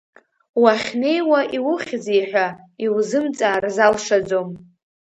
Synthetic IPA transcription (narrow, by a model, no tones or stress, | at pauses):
waχʲne̞jwaʔiwʊχʲd͡zijħʷᶣa | iwzɨmt͡sʼaːrzalʂad͡zom